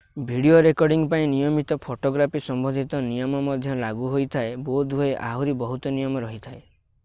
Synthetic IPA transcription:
bʱiɽioɾekɔɾɖiŋɡpaĩnijɔmit̪ɔpʰoʈoɡɾapʰisɔmbɔnd̪ʱit̪ɔnijɔmɔmɔd̪ʱjɔlaɡuɦojt̪ʰaebod̪ɦoeʔa̰ɦuɾibɔɦut̪ɔnijɔmɔɾɔɦit̪ʰae

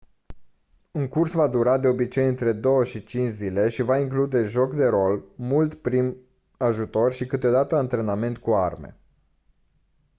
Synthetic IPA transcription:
uŋkursvad̪uɾad̪e̞o̞bit͡ʃe̞jɨnt̪ɾe̞d̪o̞wəʃit͡ʃint͡ʃzile̞ʃivaiŋklud̪e̞ʒo̞kd̪e̞ɾo̞lmult̪pɾim | aʒut̪o̞rʲʃikɨt̪eo̞d̪at̪əant̪ɾe̞name̞nt̪kuarmḛ

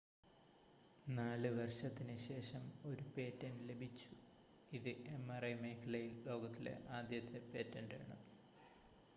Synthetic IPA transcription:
naːlɨʋɐrʂɐt̪ːinɨɕe̞ːʂɐmo̞ɾupe̞ːtːɐnle̞bʱit͡ɕːu | iðɨʔemːɐrɐjmɐjkʰɐlɐjilːo̞ːɡɐt̪ːile̞̰ʔaːd̪jɐt̪ʰːe̞pe̞ːtːɐnda̰ːɳɨ

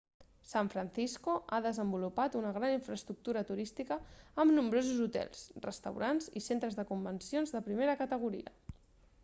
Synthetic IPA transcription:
saɱfɾənθiskuʔaðəzəmbulupat̪unəɣɾaniɱfɾəst̪ɾuk̚t̪uɾət̪uɾist̪ikəːmnumbɾozuzut̪ɛ̰lˠsrə̰st̪ə̰wɾanzḭsent̪ɾəzðəkumbənsionzðəpɾimeɾəkət̪əɣ̞uɾḭə̰

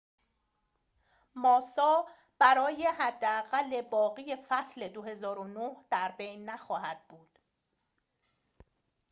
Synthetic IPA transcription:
mɒːsɒː | b̥æɾɒːje̞hæd̪ːeæɣælːe̞bɒːɣiːje̞fæsle̞d̪ohe̞zɒːɾonohd̪̥æɾbe̞jnːæxɒːɦæd̪̥̚buːd̪̥

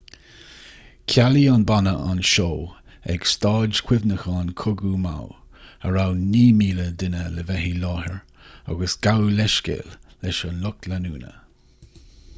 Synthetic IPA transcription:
kʰalianbanəa̰nʃoː | ɛ̰ɡ̥st̪ɑːd͡ʒkʰw̥ɪvnəxɑnkʰʊɡuma̰w | əɹawniːmiːləd̪ɪnələvɛɦilɑːɦəɹ | a̰ɡəsɡ̥awlɛʃkḛːlːɛʃənlʊklanṵːnə̰

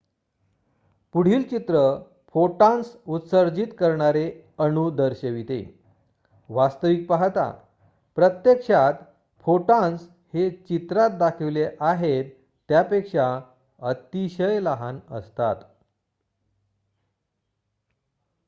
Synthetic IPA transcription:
puɽ̤iːlt͡ɕit̪ɾə | fʰoʈãnsut̪səɾd͡ʑit̪kəɾɳaɾeənud̪əɾɕəʋit̪ḛ | ʋast̪əʋik̚paɦt̪a̰ | pɾət̪jəkʂat̪ | fʰoʈãns | het͡ɕit̪ɾat̪̚d̪akʰeʋleʔaɦet̪ː | japekʂa | ət̪iɕəjləɦanə̰st̪a̰t̪

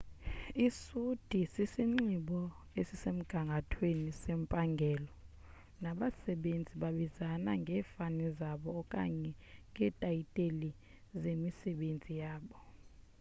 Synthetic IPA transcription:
isud̥ʱisisiŋ͡ǀiɓɔ | esisem̩ɡ̥ʱaŋɡʱatʰwenisempʼaŋɡʱɛːlɔ | naɓasɛɓend͡zʱiɓaɓizana̰ŋɡʱɛːfanɛzaɓɔːkʼa̰ɲɛŋɡʱɛtʼajitʼeli | zemisɛɓend͡zʱijaːɓɔ

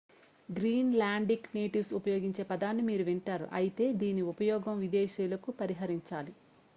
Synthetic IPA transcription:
ɡɾiːnlaːɳɖikneːʈiʋsupɐjoːɡiɲt͡ʃe̞ːpɐd̪aːnːimiːɾuʋiɳʈaːɾṵʔɐjit̪e̞ːd̪iːniupɐjɔːɡɐmʋid̪eːʃɛːlɐkupɐɾiɦɐɾiɲt͡ʃaːli

